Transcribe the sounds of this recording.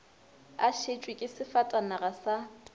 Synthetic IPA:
aʃet͡ʃʼwɪkʼɪsɪfatʼanaɣasa

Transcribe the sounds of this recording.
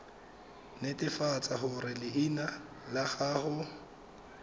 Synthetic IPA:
netʼɪfat͡sʼaɦʊrɪlɪʔina | laχaːχʊ

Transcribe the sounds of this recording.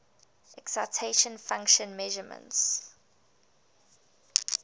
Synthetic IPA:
ʔɛksaɪtʰeɪʃə̃nfãŋkʃə̃nmɛʒəmə̰̃nts

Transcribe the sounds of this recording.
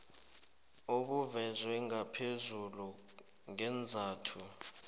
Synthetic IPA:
oɓuvɛzwɛŋɡapʰezulu | ŋɛnd͡zʱaːtʰu

